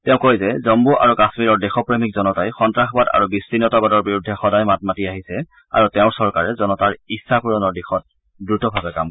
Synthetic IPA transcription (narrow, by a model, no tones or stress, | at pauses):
tɛʊ̃kojzɛzɔmbuʔa̰ɹukasmiɹɔɹdɛxɔpɹemik̚zɔnɔtajxɔntɹaxɔbada̰ɹubistinːɔtaɡɔdɔɹbiɹudʱːɛxɔdajmat̚matiaɦisɛ | a̰ɹutɛʊɹsɔɹkaɹɛzɔnɔtaɹisːakuɹɔnɔɹdixɔt̚ | dɹutɔbʱabɛkam